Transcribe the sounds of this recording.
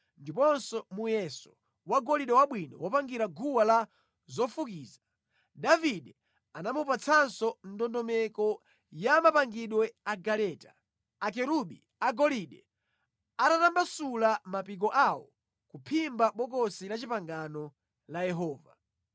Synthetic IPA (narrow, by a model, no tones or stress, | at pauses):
ndipɔnsɔmujɛsɔ̥ | waɡɔliɗɛwaɓwinɔ̰wɔpaŋɡiɾaɡuwala | zɔfukiːza | daviɗɛ | anamupat͡sʰansɔn̩dɔndɔmɛkɔ | jamapaŋɡiɗwɛaɡalɛtḁ | ak̬ɛɾuɓḭ | aɡɔliɗɛ | atatambasulamapik̬ɔʔawɔ̰ | kupʰimbaɓɔk̬ɔsilat͡ʃipaŋɡanɔ | lajɛɦɔːva̰